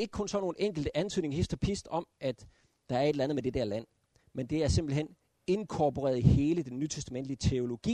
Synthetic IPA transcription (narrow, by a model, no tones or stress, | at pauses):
e̝ɡ̥ə̥kʰɔ̽nsɒ̽no̝ːn̩eŋ̰ɡ̥l̩d̥əʔænt͡sʰyðˠne̝ŋhesd̥ɒpʰisd̥ɒ̽mʔæd̥ | d̥ɑ̈æɐe̝d̥lænð̩med̥e̝d̥eɐ̰læn̰ | mend̥e̝æɐse̝mb̥l̩ɦen | e̝nkʰɒpʰo̝ʁɛ̰ːɐðˠhe̝ːləd̥enːyt͡sʰesd̥æmen̰d̥liət͡sʰe̝o̝lo̝ɡ̥ḭː